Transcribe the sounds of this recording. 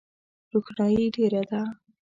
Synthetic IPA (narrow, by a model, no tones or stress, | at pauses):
ɾuxnɑjiɖeɾad̪a